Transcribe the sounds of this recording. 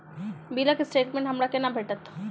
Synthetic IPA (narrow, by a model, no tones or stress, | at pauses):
biːlakesʈeːʈmẽɳʈɦɐmɾakenabʱeːʈət̪ʰ